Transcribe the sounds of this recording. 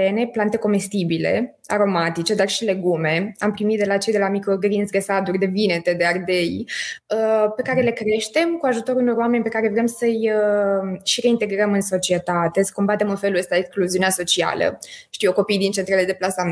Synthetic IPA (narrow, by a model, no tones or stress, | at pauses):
ene̞plant̪e̞ko̞me̞st̪ibile̞ | a̰ɾo̞mat̪it͡ʃe̞d̪arʃile̞ɡume̞ampɾimit̪̚d̪elat͡ʃe̞jd̪e̞lamikɾo̞ɡɾinzɡɾesad̪urʲd̪e̞vine̞t̪e̞d̪e̞ard̪e̞jəpe̞kaɾe̞le̞kɾe̞ʃt̪e̞mkuaʒut̪o̞ɾuno̞ɾwame̞nʲpe̞kaɾe̞vɾe̞msəjəʃiɾe̞int̪e̞ɡɾəmɨnso̞t͡ʃie̞t̪at̪e̞sə̥ko̞mbat̪e̞mɨnfe̞luəst̪aekskluziuneaso̞t͡ʃia̰lə̰ʃt̪ijoko̞pijd̪int͡ʃent̪ɾele̞d̪e̞plasa